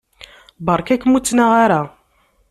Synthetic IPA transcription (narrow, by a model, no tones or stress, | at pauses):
bɑɾˤkækːmut͡sːnaʁaɾa